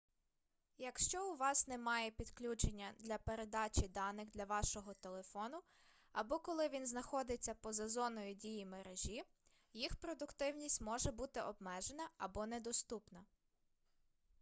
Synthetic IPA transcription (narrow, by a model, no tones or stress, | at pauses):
jɐkʃt͡ʃɔʊʋɑsnɛmɑjɛpʲid̪klʲut͡ʃenʲːɐd̪lʲɐpe̞ɾe̞d̪ɑt͡ʃʲid̪ɑnɪxd̪lʲɐʋɑʃɔɦɔt̪elˠe̞fɔnʊ | ɐbɔkɔlˠɪʋʲinznɐxɔd̪ɪt͡sʲːɐpɔzɐzɔnɔjʊdʲijimeɾeʒʲi | jixpɾɔd̪ʊkt̪ɪwnʲisʲtʲmɔʒɛbut̪ɪʔɔbmɛʒenɐɐbɔnɛd̪ɔst̪upnɐ